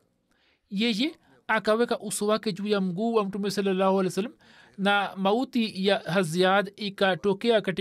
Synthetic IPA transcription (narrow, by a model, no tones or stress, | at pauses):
jeje | akɐwekaʔuswaked͡ʒujamɡuɐmʈumesɐlːɐlaːɦuɐlesɐlm | namɐwt̪ijaɦɐzjaːd̪ikaʈokeakɐʈ